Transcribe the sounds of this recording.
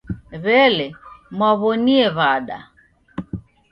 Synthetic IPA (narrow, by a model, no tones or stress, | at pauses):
βɛlɛmwaβɔniɛβaɗa̰